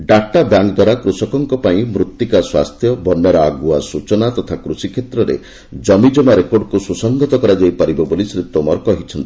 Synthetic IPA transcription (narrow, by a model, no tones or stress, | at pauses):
ɖakʈabjaŋk̚d̪waɾakɾusɔkɔŋkɔpaĩmɾut̪ːikaswa̰st̪ʰjɔbɔnːjɔɾɔaɡuasut͡ʃɔnat̪ɔt̪ʰakɾusikʰjet̪ɾɔɾḛ | d͡ʒɔmid͡ʒɔmaɾekoɖkususɔŋɡɔt̪ɔkɔɾad͡ʒajpaɾibɔbolisɾit̪wɔmɔɾkɔɦit͡ʃʰɔnt̪i̥